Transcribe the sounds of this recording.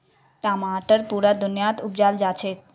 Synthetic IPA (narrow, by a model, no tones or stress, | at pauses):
ʈamaʈəɾpuɾad̪unjat̪upd͡ʑald͡ʒat͡ɕʰe